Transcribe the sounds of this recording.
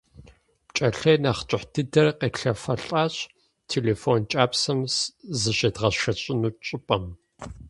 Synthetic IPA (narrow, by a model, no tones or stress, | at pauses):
pt͡ʃʼɐɬɐjnaχt͡ʃʼɪħdʰɨdɐrqeːɬɐfɐɬʼaːɕʼ | tʰeːleːfoːnt͡ʃʼaːpsɐmszɨɕɐdʁɐʃɐɕʼɪnuːt͡ʃʼɪpʼɐm